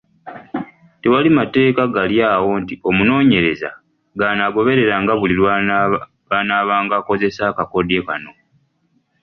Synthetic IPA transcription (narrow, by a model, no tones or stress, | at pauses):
tewalimate̞ːkaɡaljaːwo̞ntio̞muno̞ːɲe̞ɾe̞za̰ | ɡanaɡo̞βe̞ɾe̞ɾaŋɡaβulilw | βanaːβaːŋɡako̞ze̞sakako̞dje̞ka̰no̞